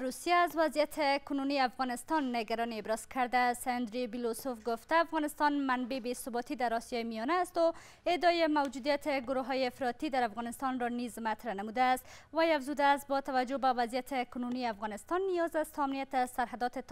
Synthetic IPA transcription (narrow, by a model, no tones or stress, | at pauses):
ɾusijaːzwazjat̪ʰɪkʊnuniafɣɔnɪst̪ɔnːɪɡaɾɔniɪbɾɒz̥kʰaɾd̪assand̪ɾibilosofɡʊft̪aːfɣɔnɪst̪ɔnmanbebesʊbɔt̪id̪aɾɔsjɒjemijɔnaːst̪o | ɪd̪ɒjɪmawd͡ʒud̪ijat̪ʰɪɡʊɾoɦɒjeɪfɾɔt̪id̪aɾafɣɔnɪst̪ɔnɾɔnizmat̪ɾanamud̪ast̪wajafzud̪aːst̪̚bɔt̪awad͡ʒobawazijat̪ʰɪkʊnuniafɣɔnɪst̪ɔnːijɒzast̪ʰɔamnijat̪azsaɾɦad̪ɔt̪ɪt̪